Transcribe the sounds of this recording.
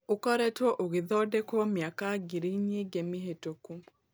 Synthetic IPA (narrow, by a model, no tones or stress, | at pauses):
okɔɾɛtwɔʔoɣɪðɔdɛkɔmjakaɡiɾiɲeɡemiɦetokum